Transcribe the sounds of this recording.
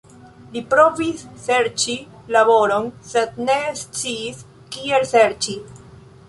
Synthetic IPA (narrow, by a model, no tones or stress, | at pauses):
lipɾo̞visːe̞ɾt͡ʃi | laβo̞ɾo̞nse̞d̪̚ne̞st͡siːs | kie̞lseɾt͡ʃi